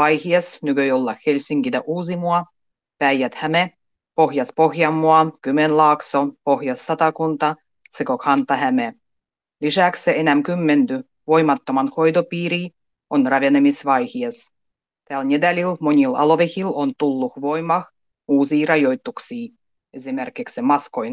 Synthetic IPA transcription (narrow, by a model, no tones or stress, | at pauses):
ɑjhiɑsnykøjolːɑxhelʲsʲiŋkit̪æʔuːsimuɑ | pæjjæt̪hæme | poxjɑspoxjɑmːuɑkymenlɑːksopoxjɑsːɑt̪ɑkunt̪ɑ | sekokʰɑnt̪ɑhæme | lʲisæksseenæmkymːent̪y | ʋojmɑt̪ːomɑnxojd̪opiːɾi | onrɑʋenemisʋɑjhies | t̪æːlnʲed̪ælʲilmonʲilɑ̰loʋexilont̪ulːuxʋojmɑx | uːsiːrɑjojt̪ːuksiː | ezʲimerkiksemɑskojn